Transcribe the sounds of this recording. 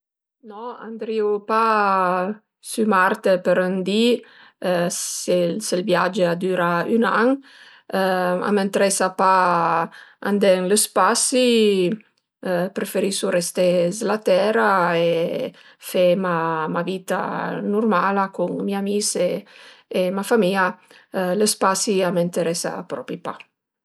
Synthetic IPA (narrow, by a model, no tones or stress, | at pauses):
nɔa̰nd̪ɾiupa | symaɾt̪əpəɾənd̪i | seselbjad͡ʒəad̪yːɾaynaŋ | a̰ment̪ɾɛsapa | a̰nd̪ɛŋləspasi | pɾefeɾisurest̪ezlat̪ɛɾae | femamavit̪a̰nurmalakuŋmiamiseː | mafamia | ləspasiament̪eɾɛsa̰pɾɔ̰pɾipa̰